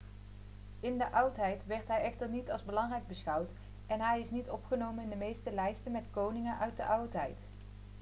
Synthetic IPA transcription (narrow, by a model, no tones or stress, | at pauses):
ɪndəʔɑwtɦɛjtʋɛɹtɦɛjɛχtəɹnitɑlˠzbəlɑŋrɛjɡ̚bəsχɑwt | ɛnɦɛjɪsnitɔpχənowmənɪndəmejstəlɛjstənmɛtkownɪŋənʔœɥt̚dəʔɑwtɦɛjt